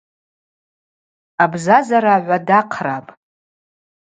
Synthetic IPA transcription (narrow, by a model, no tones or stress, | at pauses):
abzazaɾaːʕʷadaqʰrapʼ